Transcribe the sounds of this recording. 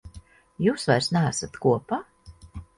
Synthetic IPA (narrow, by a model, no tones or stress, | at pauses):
juːsvajɾsnææsat̪kuɔpa